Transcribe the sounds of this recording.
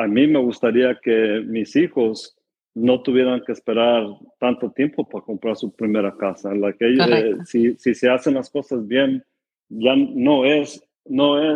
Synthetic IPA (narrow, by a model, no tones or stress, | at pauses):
amime̞ɣust̪aɾiake̞misixo̞s | no̞t̪uβje̞ɾaŋke̞ːspe̞ɾaɾt̪ant̪o̞t̪je̞mpo̞paɾako̞mpɾaɾsupɾime̞ɾakasalakejðesisise̞ase̞nlasko̞sazbje̞n | ʝano̞es | no̞e